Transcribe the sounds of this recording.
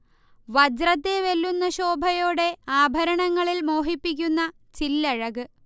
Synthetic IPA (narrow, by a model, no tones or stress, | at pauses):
ʋɐd͡ʑrɐt̪ːeʋelːunːɐɕo̞ːbʱɐjo̞ːɽe̞aːbʱɐɾɐɳɐŋːɐɭilmo̞ːɦipːik̬ʲːunːɐ | t͡ɕilːɐɻɐɣɨ